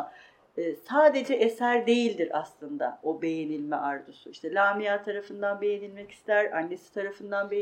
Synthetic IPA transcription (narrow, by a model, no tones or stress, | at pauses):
saːd̪e̞d͡ʒɛʔesæɾd̪e̞jilʲd̪iɾa̰slˠɯnd̪a̰obe̞jenilʲmɛʔaɾd̪usuiʃt̪ʰɛlʲaːmijaːt̪ʰaɾafɯnd̪anbe̞jenilʲmɛci̥st̪ʰæɾanːe̞si̥t̪ʰaɾafɯnd̪anbe